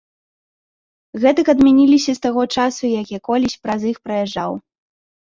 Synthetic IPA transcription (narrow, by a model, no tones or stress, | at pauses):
ɣɛt̪ɐkɐd̪mʲanʲilʲisʲɐst̪aɣɔt͡ʂasujakʲɛkɔlʲisʲpɾɐzixpɾɐjɛʐːa̰w